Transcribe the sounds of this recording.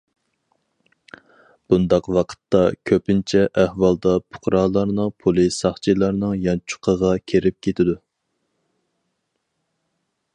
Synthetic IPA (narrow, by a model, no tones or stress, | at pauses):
b̥und̪ɑqwɑqʰə̥t̪ːɑkʲʰøpɪnt͡ʃʰɛʔæhwɑlˠd̪ɑpʰʊ̥qʰɾɑːlˠɑɾnɨŋpʰulˠɨsɑχt͡ʃʰilˠɑɾnɨŋjɑnt͡ʃʰu̥qʰəʁɑkʲʰeɾɪp̚kʲʰet̪ʰɪd̪u